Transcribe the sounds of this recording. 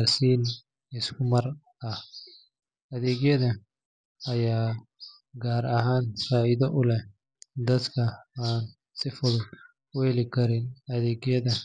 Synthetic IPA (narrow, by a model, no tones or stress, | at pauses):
rsiːn | ɪskʰʊmɐr | ɐh | ʔɐðɛːɣjɐðɐ | ɐjaː | ɡaːɾɐɦaːnfaːɪðɐʔʊlɛ | d̪ɐd̪kʰɐaːn | sɪfʊɽʊ | ʊɛlɪkʰɐɾɪnɐðɛːɡjɐðɐ